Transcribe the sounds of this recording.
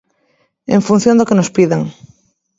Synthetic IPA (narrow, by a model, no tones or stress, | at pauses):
ḛ̃ɱfun̟θjond̪okenospiðaŋ